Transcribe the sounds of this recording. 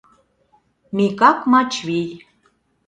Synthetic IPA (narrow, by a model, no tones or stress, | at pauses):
mikɑkmɑt͡ʃβij